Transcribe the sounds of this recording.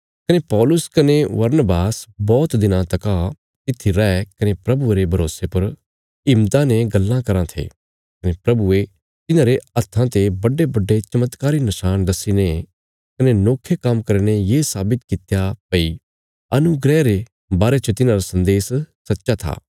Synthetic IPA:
kɐnepɔːlʊskɐneʋɐɾnəbaːsbɔːt̪d̪ɪnãt̪ɐka | t̪ɪt̪ʰːiɾɛɛkɐnepɾɐbueɾebʱɐɾo̰ːsepɐɾ | ɪmt̪aneɡɐlːãkɐɾãt̪ʰḛː | kɐnepɾɐbue | t̪ɪnãːɾeɐt̪ʰːãt̪ebɐɖebɐɖːet͡ʃɐmət̪kaːɾinɐʃaːnd̪ɐsine | kɐnenoːkʰːekɐmkɐɾnejeːsaːbɪt̪kɪt̪japɐi | ɐnuɡɾɛːɾe | baːɾet͡ʃət̪ɪnãɾasɐ̃nd̪eːssɐtːʃat̪ʰa̰ː

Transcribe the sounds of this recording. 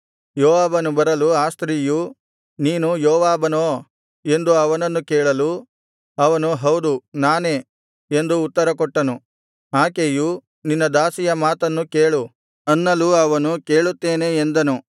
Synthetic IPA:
jɔːʋaːbɐnubɐɾɐluaːst̪ɾiju | niːnujɔːʋaːbɐnoː | e̞nd̪uɐʋɐnɐnːukeːɭɐlu | ɐʋɐnuɦɐwd̪unaːneː | e̞nd̪uːt̪ːɐɾɐkɔʈːɐnu | aːkeju | ninːɐd̪aːsijɐmaːt̪ɐnːukeːɭu | ɐnːɐluɐʋɐnuke̞ːɭut̪ːe̞ːne̞ːnd̪ɐnu

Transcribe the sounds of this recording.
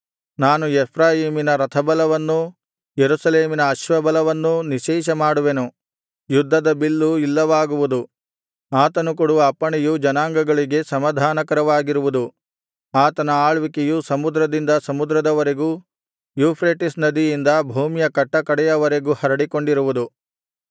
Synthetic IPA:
naːnuepʰɾaːjiːminɐɾɐt̪ʰɐbɐlɐʋɐnːu | jeɾusɐleːminɐːʃʋɐbɐlɐʋɐnːuniʃɛːʃɐmaːɽuʋenu | jud̪ʱːɐd̪ɐbilːuilːɐʋaːɡuʋud̪u | aːt̪ɐnukuɽuʋɐpːɐɳɛjud͡ʒɐnaːŋɡɐɡɐɭiɡe̞sɐmɐd̪ʱaːnɐkɐɾɐʋaːɡiɾuʋud̪u | aːt̪ɐnɐaːɭʋikejusɐmud̪ɾɐd̪ind̪ɐsɐmud̪ɾɐd̪ɐʋɐɾe̞ɡu | juːpʰɾeːʈisnɐd̪ijind̪ɐbʱuːmijɐkɐʈːɐkɐɽɛjɐʋɐɾe̞ɡuhɐɾɐɽiko̞ɳɖiɾuʋud̪u

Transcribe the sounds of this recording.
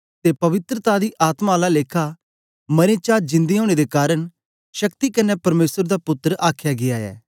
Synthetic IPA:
t̪epɐʋɪt̪ɾət̪ad̪iʔaːt̪maːlaleːkʰa | mɐɾẽt͡ʃaːd͡ʒɪ̃nd̪iɦoːɽ̃ed̪ekaːɾəɳ | ʃɐkt̪ikɐnɛpɐɾmeːsəɾd̪apʊt̪ːɾʔaːkʰjaɡɪjaɛ̰ː

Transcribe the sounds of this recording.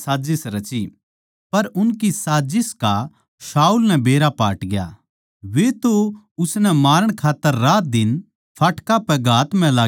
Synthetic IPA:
saːd͡ʒɪsɾɐt͡ʃi | pɐɾʊnkisaːd͡ʒɪska | ʃaːulnɛbeːɾapa̰ːʈɡɪja̰ | ʋet̪o | ʊsnɛmaːɾəɽ̃kʰaːt̪ːəɾːaːt̪̚d̪ɪn | pʰaːʈkapɛɡʱaːt̪m̤ɛ̃laː

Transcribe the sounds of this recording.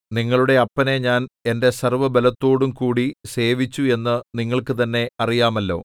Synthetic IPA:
niŋːɐɭuɽe̞ɐpːɐne̞ɲaːne̞nde̞sɐrʋɐbelɐt̪ːo̞ːɽumkuːɽise̞ːʋit͡ɕːue̞nːɨniŋːɐɭkɨt̪ɐnːe̞ɐrijaːmɐlːo̞̰ː

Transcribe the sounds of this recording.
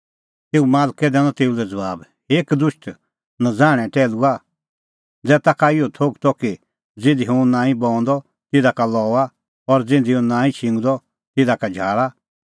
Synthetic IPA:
t̪eːumaːlkɛd̪ɛ̃ːnɔ̃t̪eːulɛd͡zɐʋaːb | eːkd̪ʊʃʈ | nad͡zaːɽ̃ɛ̃ʈɛːlua | d͡zɛt̪akʰaɪjɔt̪ʰoɡt̪ɔki | d͡zɪ̃nd̪iɦũnãːĩbɔ̃ːɔ̃nd̪ɔ | t̪ɪd̪akalɔːa | ɔɾd͡zɪ̃nd̪iɔ̃nãːĩt͡ʃʰɪ̃ŋɡd̪ɔ | t̪ɪd̪akad͡ʒʱaːɭa

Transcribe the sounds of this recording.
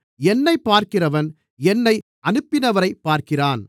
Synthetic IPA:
ɛnːɐɪpːaːɾkɪrɐʋɐn | ɛnːɐɪ | ʔɐnɯpːɪnɐʋɐɾɐɪpːaːɾkɪraːn

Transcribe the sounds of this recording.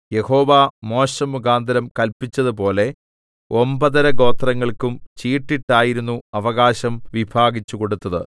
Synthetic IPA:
je̞ho̞ːʋamo̞ːɕɐmuɡaːnd̪ɐɾɐmkɐlpit͡ɕːɐðɨpo̞ːle̞ | o̞mbɐðɐɾɐɡo̞ːt̪rɐŋːɐɭkumt͡ɕiːʈːiʈːaːjiɾunːuɐʋɐɣaːɕɐmʋibʱaːɡit͡ɕːuko̞ɽut̪ːɐðɨ

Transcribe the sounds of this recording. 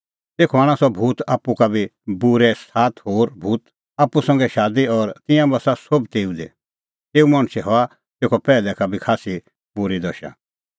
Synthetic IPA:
t̪eːkʰɔaːɽ̃ãsɔbʱuːt̪aːpukabʱibuɾɛst̪ʰaːt̪ɦoːɾbʱuːt̪ | aːpːusɐ̃ŋɡɛʃaːd̪iɔɾt̪ɪ̃jãbasasobt̪eːũd̪ɛ̰ | t̪eːumɐ̃ɽ̃sɛɦɔa | t̪eːkʰɔpɛːlɛkabʱikʰaːsi | buɾid̪ɐʃã̰

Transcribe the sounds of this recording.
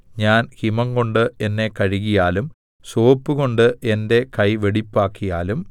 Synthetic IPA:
ɲaːnhimɐŋko̞ɳɖɨe̞nːe̞kɐɻiɣijaːlum | so̞ːpːɨɣo̞ɳɖɨʔe̞nde̞kɐjʋeɽipːaːkːijaːlum

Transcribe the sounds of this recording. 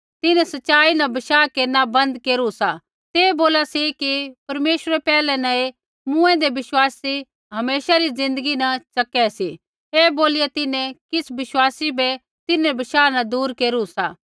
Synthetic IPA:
t̪ɪnẽsɐtːʃaːinɐbɐʃaːkenɐbɐ̃nd̪keːɾusa | t̪eːboːlasikipɐɾmeːʃəɾepɛːlɛ̃nɐe | mũːɛ̃d̪eʋɪʃwaːsi | ɦɐmeːʃaɾizɪ̃nd̪əɡinɐt͡ʃɐkɛsi | eːboːlijet̪ɪnẽkɪsbɪʃwaːsibɛ | t̪ɪnẽbɐʃaːnɐd̪uːɾkeːɾusaː

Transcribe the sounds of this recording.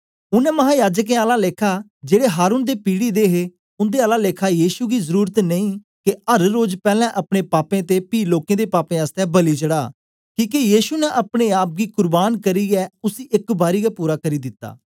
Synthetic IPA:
ʊnɛ̃ːməɦaːjaːd͡ʒək̬ẽːaːlaːleːkʰaː | d͡ʒeːɽeːɦaːɾuːnd̪eːpiːɽiːd̪eːɦeː | ʊnd̪eːaːlaːleːkʰaːjiːʃuːɡiːzəɾuːɾət̪nəĩː | keəɾɾoːd͡ʒpɛːlɛ̃ːʔəpɽeːpaːpẽːt̪eːpiːloːkẽːd̪eːpaːpẽːaːst̪ɛːbəliːt͡ʃəɽaː | kĩːk̬ejiːʃuːnɛ̃ʔəpɽeːaːp̚ɡiːkʊɾbaːnkəɾiːɛːʊsiːɪkbaːɾiːɡaːpuːɾaːkəɾiːd̪ɪt̪ːa̰ː

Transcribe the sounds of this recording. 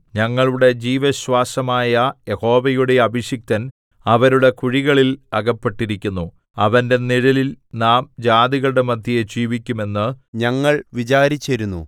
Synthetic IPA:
ɲɐŋːɐɭuɽe̞d͡ʑiːʋɐɕwaːsɐmaːjɐje̞ho̞ːʋɐjuɽe̞ɐbiɕjik̚t̪ɐn | ɐʋɐɾuɽe̞kuɻiɣɐɭilɐɣɐpːe̞ʈːiɾikʲːunːu | ɐʋɐnde̞niɻɐlilnaːmd͡ʑaːd̪iɣɐɭɽe̞mɐd̪ʱjijed͡ʑiːʋikʲːume̞nːɨɲɐŋːɐɭʋit͡ɕaːɾit͡ɕːɐɾunːṵ

